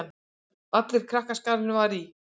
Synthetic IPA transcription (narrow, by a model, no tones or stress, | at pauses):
n | at̪lɪɾ̥kʰɾahkaskaɾɪnʏvaɾi